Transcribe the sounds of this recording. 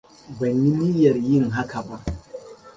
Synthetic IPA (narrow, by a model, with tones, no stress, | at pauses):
bɐ˨nːi˦ni˦jɐ˨ɾjɪ˦ŋɦa˦kʰa˨ba˦